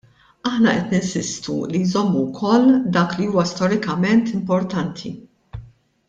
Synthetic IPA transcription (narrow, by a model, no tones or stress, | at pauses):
ɐħnɐʔɛt̪nɪnsɪst̪ṵlijzɔmːuwkʰɔlːd̪ɐːkliuːwɐst̪ɔɾɪkɐmɛnt̪ɪmpɔɾt̪ɐnt̪ʰḭ